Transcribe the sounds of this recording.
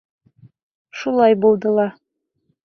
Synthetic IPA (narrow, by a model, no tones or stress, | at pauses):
ʃulˠɑjbulˠd̪ɤlˠɑ